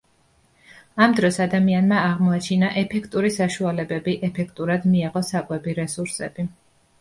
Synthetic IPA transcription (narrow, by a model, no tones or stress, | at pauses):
amd̪ɾɔsad̪amianmaːʁmɔat͡ʃʰinaʔɛpʰɛkʰt̪ʼuɾisaʃualɛbɛbiʔɛpʰɛk̚ʰt̪ʼuɾad̪miaʁɔsakʼwɛbiɾɛsuɾsɛb̥i